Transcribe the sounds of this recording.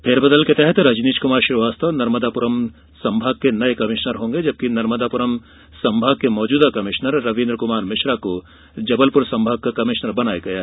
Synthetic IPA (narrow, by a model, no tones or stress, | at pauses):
pʰɪɾbɐd̪əlket̪ɛɦɛt̪ɾɐd͡ʒniːt͡ʃkʊmaːɾʃɪʋaːst̪ʰənɐɾməd̪apʊɾəm | sɐ̃mbʱaːɡ̚kenɐekɐmɪʃnəɾɦõːŋɡed͡ʒɐb̚kinɐɾməd̪apʊɾəm | sɐ̃mbʱaːɡ̚kemɔːd͡ʒuːd̪akɐmɪʃnəɾːɐʋĩːnd̪ɾəkʊmaːɾmɪʃɾako | d͡ʒɐbəlpʊɾsɐ̃mbʱaːɡ̚kakɐmɪʃnəɾbɐnaːeɡɐjaɦ